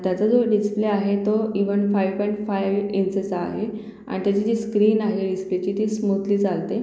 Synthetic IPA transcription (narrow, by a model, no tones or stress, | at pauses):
t̪jat͡səd͡zoɖispliaɦet̪oiʋənfajʋpɔjɳʈfajʋinsed͡za̰ɦe | a̰ɽ̃it̪jat͡ɕiːd͡ʑiːskɾiːnaɦeɖisplet͡ɕit̪iːsmut̪liːd͡zalt̪e